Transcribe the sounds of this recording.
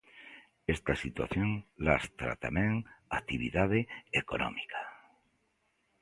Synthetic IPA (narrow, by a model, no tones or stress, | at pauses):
est̪asit̪wa̰θjoŋlast̪ɾa̰t̪amẽŋat̪iβiðað̞eekono̰mikʰḁ